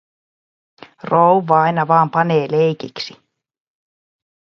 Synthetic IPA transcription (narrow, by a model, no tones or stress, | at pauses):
rowʋːɑɑjnɑʋɑːmpɑneːlejkiksi